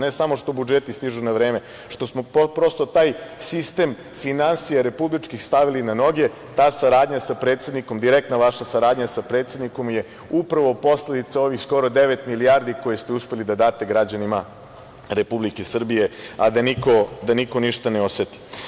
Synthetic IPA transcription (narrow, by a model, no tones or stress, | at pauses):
ne̞samo̞ʂt̪o̞bud͡ʒet̪ist̪iʒunaʋɾe̞ːme̞ | ʃt̪o̞smo̞popɾo̞st̪o̞t̪aːjsist̪e̞m | finansijaɾe̞publit͡ʃkixst̪aʋilinano̞ɡe̞ | t̪aːsaɾaːd̪ɲasapɾet̪sed̪niko̞md̪iɾek̚t̪naʋaʃasaɾaːd̪ɲasapɾe̞ːt̪se̞d̪niko̞mje̞ | upɾaʋo̞po̞sle̞d̪it̪sao̞ʋixsko̞ɾo̞d̪e̞ʋet̪miliaːɾd̪iko̞jest̪euspe̞lid̪ad̪aːt̪e̞ɡɾad͡ʑanima | ɾe̞publikesr̩bije̞ad̪aniko̞d̪anikoniʃt̪aneo̞set̪i̥